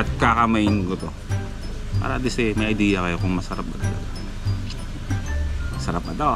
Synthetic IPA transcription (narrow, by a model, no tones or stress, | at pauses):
ɐt̪̚kakɐmɐjɪnkot̪o | pa̰ːɾɐd̪ɪsɛmɐjʔɐjd̪iːjɐkɐjokʊŋmɐsɐɾap̚bɐt̪ɐlɐ̰ɡa | mɐsɐɾap̚ɐd̪a